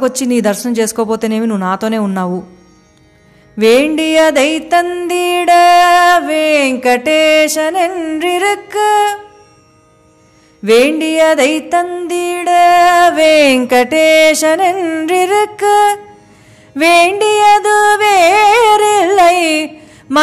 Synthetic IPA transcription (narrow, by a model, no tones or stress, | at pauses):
kot͡ʃːiniːd̪ɐɾʃɐnɐmt͡ʃe̞ːsu̥kɔːp̬oːt̪eːne̞ːminuːnaːt̪o̞ːne̞ːunːaːʋu | ʋeːɳɖijɐd̪ɐjt̪ɐnd̪iːɽɐʋeːŋkɐʈeːʃɐnenɾiɾuk | ʋeːɳɖijɐd̪ɐjt̪ɐnd̪iːɽɐʋeːŋkɐʈeːʃɐnenɾiɾuk | ʋeːɳɖijɐd̪uʋeːɾilːɐj | m